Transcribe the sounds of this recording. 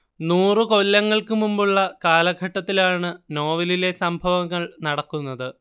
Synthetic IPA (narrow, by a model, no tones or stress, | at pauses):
nuːrɨko̞lːɐŋːɐɭkɨmumbuɭːɐkaːlɐɡʱɐʈːɐt̪ːilaːɳɨno̞ːʋilile̞sɐmbʱɐʋɐŋːɐɭnɐɽɐkːunːɐðɨ